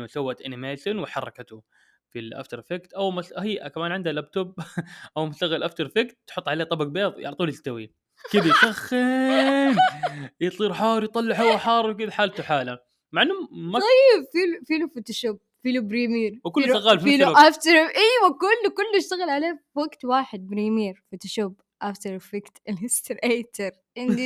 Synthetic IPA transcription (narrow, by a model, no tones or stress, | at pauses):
nːʊsawːaʔt̪ʔɪ̰nɪmeːʃɪnwɪħɑrˤːɑ̰kat̪ʊ | filʔa̰ːft̪ɑɾˤfekt̪ʔawmʊshajːʔakamaːnʕɪnd̪halab̚t̪ob̚ʔawmʊʃt̪aɣɪlʔaft̪ɑɾˤfakt̪̚t̪ːħʊt̪ːˤʕaleːt̪ˤɑbɑɡ̚beːðˤjɪ̰ʕt̪ˤuːlɪst̪ːawi | kɪd̪ajsaxːɪnjt̪ˤiːɾħɑːɾˤjt̪ˤɑlːɪħʊwːaħɑːɾˤwkɪd̪aħaːlt̪uħaːla | maʕanːʊmaˤɑjːɪbfilfiːlufot̪oʃoːb̚ | fiːlubɾiːmiːɾwkʊlːaɣaːlfiːluʔaft̪ɑɾʔiːwakʊlːkʊlːjɪʃt̪aɣɪlʕaleːfaɡt̪waːħɪd̪̚bɾiːmiːɾfot̪oʃoːb | ʔaft̪əɾfɪkt̪ɪlɪst̪ɪɾʔeːt̪ʰɪɾ | ʔɪni